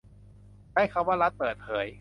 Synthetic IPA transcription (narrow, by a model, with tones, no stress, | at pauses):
daː˥˩jkʰa˧˥˩waː˥˩ɾa˦˥t̪̚pɤː˨˩t̪̚pʰɤː˩˦j